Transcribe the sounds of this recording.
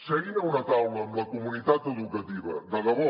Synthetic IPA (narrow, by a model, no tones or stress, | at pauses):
səɣinəunət̪awləːmləkumunit̪at̪əðukət̪iβə̰d̪əɣəβɔ